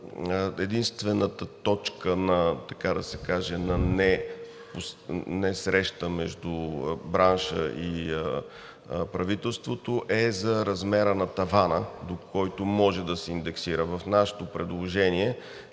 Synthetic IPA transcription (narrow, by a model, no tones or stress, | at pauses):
ɛd̪inst̪vɛnət̪ət̪ɔt͡ʃkənɐt̪ɐkad̪ɐsɛkaʒɛnɐnɛ | posnɛsɾɛʃt̪əmɛʒd̪ubɾanʃə̰ʔi | pɾɐvit̪ɛlˠst̪vot̪oʔɛzɐɾɐzmɛɾənɐt̪ɐvanəd̪okʰɔjt̪omɔʒɛd̪ɐsɛind̪ɛksiɾəvɐfnaʃɛ̥t̪opɾɛd̪lˠoʒɛniɛ